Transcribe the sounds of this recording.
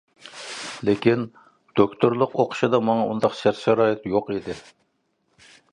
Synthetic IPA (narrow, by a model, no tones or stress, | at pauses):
lekʲin | d̪̥okʲt̪ʰoɾlˠəqoqʰʊ̥ʃid̪ɑmɑŋɑund̪ɑqʃæɾt̪ʃɛɾɑːjɪt̪joqid̪ɪ